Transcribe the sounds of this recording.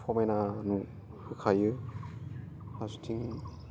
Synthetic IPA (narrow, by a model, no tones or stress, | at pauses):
pʰɔmenanu | hɯkʰajɯ | hasu̥tʰiŋ